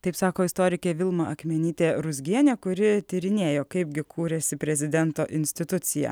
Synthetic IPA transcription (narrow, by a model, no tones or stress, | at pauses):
t̪ɐɪpsɑːkoːɪst̪oːɾʲɪkʲeːʋʲɪlˠmɐʔɐkmʲɛnʲiːt̪ʲeːɾʊzʲɡʲiɛnʲeːkʊɾʲɪt̪ʲiɾʲɪnʲeːjoːkɐɪb̚ɡʲɪkʰuːɾʲɛsʲɪpʲɾʲɛzʲɪd̪ʲɛnt̪oːʔɪnʲsʲt̪ʲɪt̪ʊt̪sʲɪjɛ̰ː